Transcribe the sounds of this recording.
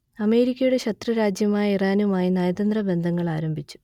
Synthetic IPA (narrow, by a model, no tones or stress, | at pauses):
ɐme̞ːɾikʲːɐjuɽe̞ɕɐt̪rɐɾaːd͡ʑjɐmaːjɐiraːnumaːjinɐjɐd̪ɐnd̪rɐbe̞nd̪ʱɐŋːɐɭaːɾɐmbʱit͡ɕːu̥